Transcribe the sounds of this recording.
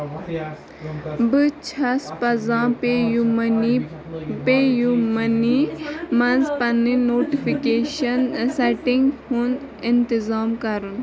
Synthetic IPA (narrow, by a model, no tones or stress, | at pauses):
bɨt͡ʃʰɐspɐzãːpejmni | pejumɐnimɐnzpɐninoːʈifikeːʃɐnsɛʈiŋɡhun | ɪnt̪izaːmkɐɾun